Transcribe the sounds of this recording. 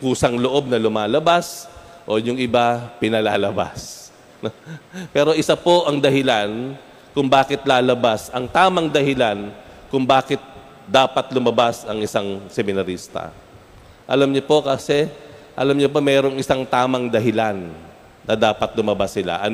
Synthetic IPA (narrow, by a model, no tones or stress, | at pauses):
kuːsɐŋloʔo̞b̚nɐlʊmaːlɐbas | ʔojʊŋɪbapɪnɐla̰ːlɐba̰s | pɛːɾo̞ʔɪsapo̞ʔɐŋd̪ɐɦɪlan | kʊŋbaːkɪt̪̚laːlɐbasɐŋt̪aːmɐŋd̪ɐɦɪlan | kʊŋbaːkɛt̪̚ | d̪aːpɐt̪lʊmɐbasɐŋʔɪsaŋsɛmɪnɐɾiːst̪ɐ̰ | ʔɐ̰lɐmɲopo̞kɐsɛ | ʔɐ̰lɐmɲop̬omɛːɾo̞ŋɪsaŋt̪aːmɐŋd̪ɐɦɪlanː | ɐd̪aːpɐt̪lʊmɐbasːɪla̰ʔɐ